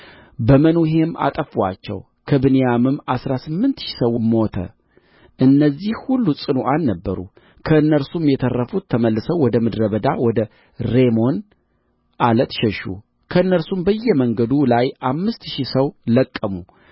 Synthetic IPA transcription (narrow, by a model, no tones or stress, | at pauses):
bəmənuɦe̞mʔa̰t̪ʼəfa̰t͡ʃːɛ̰w | kʰəbɨnejamɨmːasɾasɨmːɨnt̪ʃi̥səwmːo̞t̪ʰə̰ | ʔɨnːəzːihhulːusʼɨnoʔalːəbːəɾṵ | kʰəɨnːəɾsumjɛt̪ʰərːəfut̪ʰːəməlːɨsəwɔd̪əmɨd̪ɾəβəd̪awɔd̪ə | ɾe̞mo̞n | ʔalət̪ʃɛʃṵ | kʰəɨnːəɾsumbəjːɛməŋɡəd̪ulajʔamːɨst̪ʃisəwləkʼːəmu